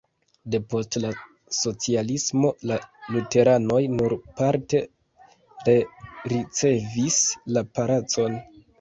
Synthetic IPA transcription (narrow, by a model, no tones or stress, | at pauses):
de̞po̞stla | so̞t͡sialismo̞lalute̞ɾano̞jnuɾpaɾte̞ | ɾeɾit͡se̞vislapaɾat͡so̞n